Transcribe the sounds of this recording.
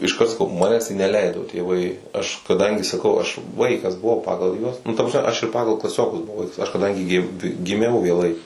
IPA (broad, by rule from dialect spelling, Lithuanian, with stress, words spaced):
ɪʃˈkɐrt sɐˈkɐʊ ˈmɑːnʲɛs tɐɪ nʲɛˈlʲɛɪdoː tʲeːˈʋɐɪ ɐʃ kɐˈdɐŋʲɡʲɪ sɐˈkɐʊ ɐʃ ˈʋɐɪkɐs bʊˈʋɐʊ ˈpɑːɡɐlˠ ˈjuɔs ˈnʊ ˈtɐ prɐsʲˈmʲɛ ˈɐʃ ɪr ˈpɑːɡɐlˠ klˠɐˈsʲoːkʊs bʊˈʋɐʊ ˈʋɐɪks ɐʃ kɐˈdɐŋʲɡʲɪ ɡʲɪ ɡʲɪˈmʲɛʊ ʋʲeːˈlˠɐɪ